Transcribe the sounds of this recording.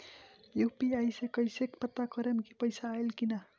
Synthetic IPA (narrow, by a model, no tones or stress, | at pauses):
jupiajsekʌjsekpʌt̪ːakʌɾemkipəjsaːelkina